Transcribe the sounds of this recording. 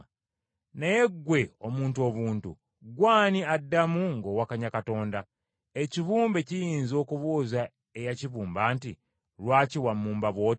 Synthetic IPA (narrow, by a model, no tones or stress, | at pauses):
nejeɡːwe̞o̞muːntuo̞βuːntṵ | ɡwaːniadːamuŋɡo̞wakaɲakato̞ːnda | eciβuːmbe̞cijiːnzo̞ːkuβoːza | ejaciβuːmbaːnti | ɾwaːciwamːuːmbaβwo̞ːt